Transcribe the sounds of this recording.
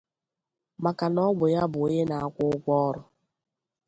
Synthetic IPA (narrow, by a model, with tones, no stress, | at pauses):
ma˨ka˨nɔ˦ɡ͡bʊ˨ja˦bʊ˨˦je˦na˨a˦kʷʊ˦ʊ˦ɡʷɔ˦ɾʊ˨